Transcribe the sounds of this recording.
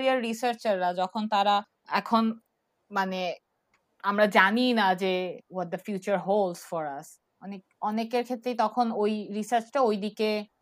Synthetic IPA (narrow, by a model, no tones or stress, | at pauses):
ɾiaɾːisaɾt͡ɕaɾːad͡ʑɔkʰont̪aɾa | ɛ̰kʰon | mane | amɾad͡ʑaninad͡ʑewɔt̚d̪əfjut͡ɕaɾɦolsfɔɾas | ɔnek̚ɔnekeɾkʰet̪ːɾet̪ɔkʰonojɾisaɾt͡ɕʈaojd̪ike